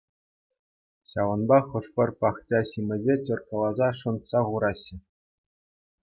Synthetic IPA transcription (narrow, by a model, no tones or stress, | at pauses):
ɕɑʋɤ̆nbɑχɤ̆ʂpʲɤ̆rpɑχt͡ɕʲɑɕimʲɘ̆ʑʲet͡ɕʲɤ̆rkɤ̆lˠɑzɑʂɤ̆nt̪sɑʁuɾɑɕːɘ̆